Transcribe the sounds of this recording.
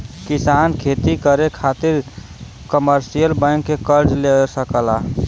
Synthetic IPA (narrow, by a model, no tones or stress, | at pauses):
kisankʰet̪ikəɾekʰat̪iɾ | kəməɾsijəlbə̃ŋkːekəɾd͡ʒlesəkəla